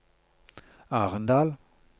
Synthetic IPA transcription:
aʁənd̪al

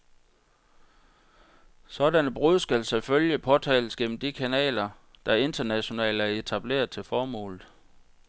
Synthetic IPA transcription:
sɒ̽dænəb̥ʁuðˠsɡ̥ælseføljəpʰɒ̽t͡sʰɛ̰ːləsɡ̥en̰m̩d̥ikʰænɛ̰ːlɐ | d̥ɑ̈e̝nd̥ɐnæɕo̝nɛ̰ːldæɐe̝t͡sʰæb̥le̝̰ːɐðˠt͡sʰe̝lfɒːmɔ̰̽ːlð̩ˠ

